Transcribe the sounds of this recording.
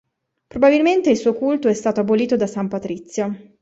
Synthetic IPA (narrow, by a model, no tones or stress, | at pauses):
pɾobabilment̪eilsuːokult̪oɛst̪aːt̪oaboliːt̪od̪asampat̪ɾit̪sːjo